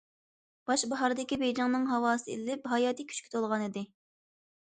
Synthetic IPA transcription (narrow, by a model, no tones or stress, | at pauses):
b̥ɑʃbɑɦɑɾd̪ɪkʲibejd͡ʒɑŋnɨŋɦɑwɑːsɨḭllɪpɦɑjɑːt̪ʰikʲʰy̥t͡ʃkʲʰy̥t̪ʰolˠʁɑnɨd̪ɪ